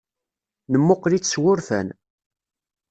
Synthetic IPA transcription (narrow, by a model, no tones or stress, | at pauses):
nəmːʊqlit͡sːswʊɾfæ̰n